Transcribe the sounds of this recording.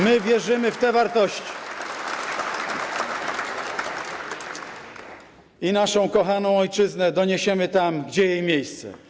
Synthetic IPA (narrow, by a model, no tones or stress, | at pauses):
mɘvʲjɛʐɘmɘft̪ɛvaɾt̪ɔɕt͡ɕi̥ | inaʂɔ̃w̃kɔxanɔ̃w̃ɔjt͡ʂɘznɛd̪ɔɲeɕɛmɘt̪amɡd͡ʑɛjejmʲjejst̪sɛ̰